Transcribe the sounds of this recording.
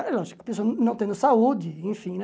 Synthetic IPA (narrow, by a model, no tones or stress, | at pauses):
ɛlɔʒikʊɐpesoɐnɐ̃w̃t̪ẽd̪ʊsaud͡ʒɪẽfĩnɛ̃